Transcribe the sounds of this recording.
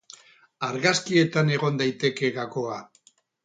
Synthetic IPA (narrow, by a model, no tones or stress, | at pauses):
aɾɣaskie̞t̪ane̞ɣ̞o̞nd̪ajt̪e̞ke̞ɣako̞a